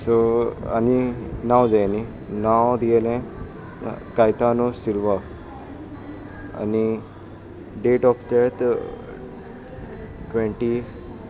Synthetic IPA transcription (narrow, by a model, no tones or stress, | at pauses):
soa̰ninawd͡zajni | nawd̪ielɛ̃ | kajt̪anosilʋa | a̰ni | ɖeʈɔpʰt̪ɛt̪ | ʈʋẽɳʈi